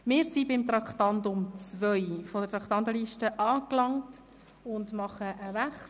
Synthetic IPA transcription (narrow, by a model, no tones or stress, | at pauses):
mɪːɾsibɪmt̪ɾɑkχtɑntʊmt͡svœʏfodətɾɑkʰtɑntəliʃtəʔɑːklɑŋt | ʊndmɑχəʔəvæχ